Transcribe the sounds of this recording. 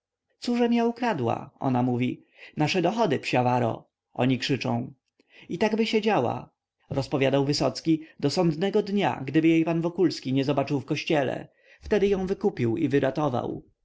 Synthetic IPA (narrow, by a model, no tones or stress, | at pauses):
t̪suʐɛmʲjaukɾad̪wa̰ɔ̰namuvʲi | naʂɛd̪ɔxɔd̪ɘpɕavaɾɔ̰ | ʔɔ̰ɲikʂɘt͡ʂɔ̰̃w̃ | it̪aɡbɘɕed͡ʑawa̰ | ɾɔspɔvʲjad̪awvɘsɔt̪skʲid̪ɔsɔnd̪nɛɡɔd̪ɲa̰ɡd̪ɘbɘjejpanvɔkulskʲiɲɛzɔbat͡ʂɘwfkɔɕt͡ɕɛlɛ̰ | ft̪ɛd̪ɘjɔ̃w̃vɘkupʲiwḭvɘɾat̪ɔva̰w